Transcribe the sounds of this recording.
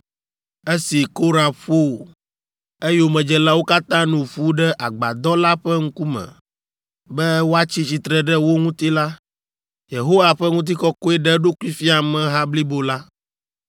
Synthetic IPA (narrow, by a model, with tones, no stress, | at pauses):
e˦si˨ko˦ɾa˨ɸo˦˨ | e˦jo˨mɛ̃˨d͡ʒɛ˨la˦wo˦ka˦t̪ã˦nũ˨ɸu˦ɖɛ˦ʔa˨ɡ͡ba̰˨d̪ɔ˦la˦ɸɛ˦ŋ̩˦ku˦mɛ̰̃˨ | bɛ˦wo˦a˦t͡ɕi˦t͡ɕi˨t̪ɾɛ˦ɖɛ˦wo˦ŋũ˦t̪i˦la˦ | je˨ɦo˦wa˨ɸɛ˦ŋũ˦t̪̬i˦kɔ˦kɔ˦ɛ˦ɖɛ˦ɖo˦ku˦i˦fi˦a˨mɛ̃˨ɦa˦bli˦bo˨la˦